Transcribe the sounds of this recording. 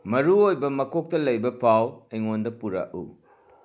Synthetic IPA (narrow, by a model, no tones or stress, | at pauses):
mɐɾuojbɐmɐkʰok̚tɐlɐjbɐpʰaweŋondɐpuɾa̰ʔṵ